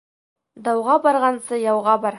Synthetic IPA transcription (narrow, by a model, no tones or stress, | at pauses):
d̪ɑwʁɑbɑɾʁɑnsɤjɑwʁɑbɑɾ